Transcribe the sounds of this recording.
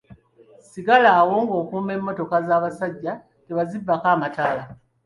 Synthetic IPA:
siɡalaːwo̞ŋɡo̞ːkuːme̞mːo̞to̞kazaːβasaɟːa | teβazibːakaːmataːla

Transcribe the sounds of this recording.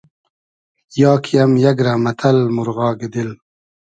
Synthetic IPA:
jɑːkʰijamjaɡɾamɐt̪ʰɐlmuɾɣɑːɡed̪il

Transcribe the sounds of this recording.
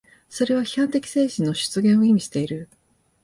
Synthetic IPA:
so̞ɾe̞β̞açi̥hãnt̪e̞kʲi̥se̞ːɕĩnːo̞ɕɨ̥t͡sɨɡẽ̞ɰ̃o̞imʲiɕi̥t̪e̞iɾɯ̟

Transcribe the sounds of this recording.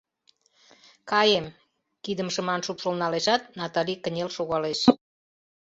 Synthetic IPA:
kɑjem | kid̪əmʃəmɑnʃupʃolnɑleʃɑt̪nɑt̪ɑlʲikə̆nʲelʃoɣɑleʃ

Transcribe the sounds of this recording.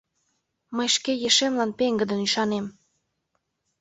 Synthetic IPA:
məjʃkejeʃemlɑnpeŋɡəd̪ənyʃɑnem

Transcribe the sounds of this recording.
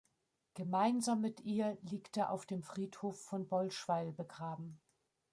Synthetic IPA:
ɡ̥əmaɪnzaːmːɪtʔiːɐliːktəʔa̰ʊfd̥eːmfʁ̥iːthoːfːɔnbɔlʃv̥aɪlbəɡʁaːbm̩

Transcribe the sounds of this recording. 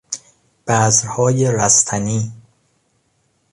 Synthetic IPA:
b̥æːzɾhɒːjeɾæst̪ʰæniː

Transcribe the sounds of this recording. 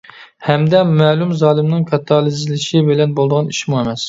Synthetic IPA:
hɛmd̪ɛmɛlˠumzɑːlˠɪmnɪŋkʰɑt̪ʰːɑlˠɪzlɪʃɪbɪlɛnbolˠd̪əʁɑniʃmuemɛs

